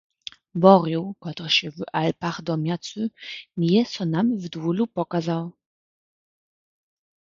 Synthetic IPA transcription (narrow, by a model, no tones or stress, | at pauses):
bɔɾiwkɔt̪ɔɕɛvalpaχd̪ɔmʲjat̪sunʲijɛsɔnamvd̪wulupɔkazaw